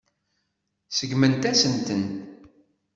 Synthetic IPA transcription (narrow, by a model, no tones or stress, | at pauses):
səɡmənt̪æsənt̪ənt̪